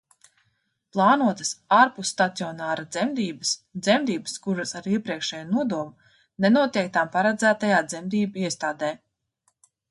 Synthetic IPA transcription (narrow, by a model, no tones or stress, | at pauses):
plˠɑːnuɔt̪ə̥saːɾpusːt̪at̪siɔnaːɾad̪zɛmd̪iːbəsd̪zɛmd̪iːbə̥skuɾɐsaɾiɛpɾiɛkʃɛːjunuɔd̪uɔm | nɛnuɔt̪ʲiɛk̚t̪ampaɾad̪zæːt̪ajaːd̪zɛmd̪iːbaiɛst̪aːd̪ɛː